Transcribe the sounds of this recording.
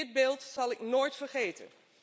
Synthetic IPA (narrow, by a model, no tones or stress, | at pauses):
ɪd̚beːlˠtsɑlˠɪknoːjtfərχejtə̰n